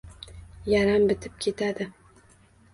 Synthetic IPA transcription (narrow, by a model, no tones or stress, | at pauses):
jaɾambɪt̪ʰɪp̚kʲʰe̞t̪ʰad̪ɪ